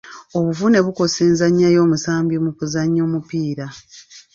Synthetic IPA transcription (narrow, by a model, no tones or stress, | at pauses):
o̞βuvune̞βuko̞siːnzaɲːajo̞ːmusaːmbjimukuzaɲːo̞ːmupiːɾa